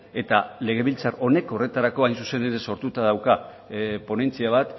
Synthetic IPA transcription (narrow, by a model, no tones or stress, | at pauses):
e̞t̪ale̞ɣ̞e̞β̞ilt͡saro̞ne̞ko̞re̞t̪aɾako̞ajnsuse̞nd̪eɾeso̞ɾt̪ut̪að̞awka | po̞ne̞nt͡siaβ̞at̪